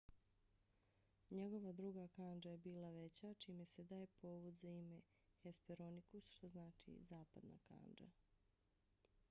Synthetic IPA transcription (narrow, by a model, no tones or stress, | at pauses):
ɲeɡo̞ʋad̪ɾuːɡakand͡ʒajebiːlˠaʋet͡ɕat͡ʃiːmese̞d̪aːje̞pʰo̞ːʋud̪zaime̞ | xespeɾonikusʃt̪o̞znaːt͡ʃḭzaːpad̪na̰ka̰ːnd͡ʒa̰